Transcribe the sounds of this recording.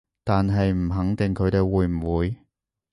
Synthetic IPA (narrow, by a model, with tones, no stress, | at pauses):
t̪aː˨nɦɐ˨jm̩˨˩ɦɐ˨˥ŋt̪ɪ˨ŋkʰɵ˨˧ɥt̪e˨˧jwuː˨˧jm̩˨˩wuː˨˧j